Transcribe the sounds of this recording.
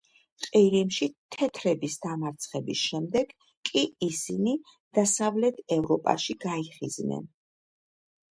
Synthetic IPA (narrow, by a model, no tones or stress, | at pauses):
qʼiɾimʃit̪ʰɛt̪ʰɾɛbisd̪amaɾt̪sʰχɛbisʃɛmd̪ɛɡ̥ | kʼiːsini | d̪̥asavlɛt̪ʰɛvɾɔpʼa̰ʃiɡaiχiznɛ̰n